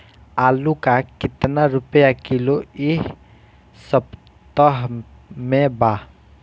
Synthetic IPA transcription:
aːlukakɪt̪naɾʊpəjakɪloɪɦ | səb | t̪əɦ | mẽba

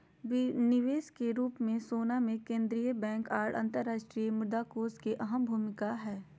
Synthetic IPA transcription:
ʋɪnɪʋeːskeɾuːpmẽsoːnamẽkẽːnd̪ɾijəbɛ̃ːŋkaːɾɽɐ̰̃nt̪əɾːaːʃʈɾijəmʊd̪akoːskeʔɐɦəmbʱuːmɪkaɦɛː

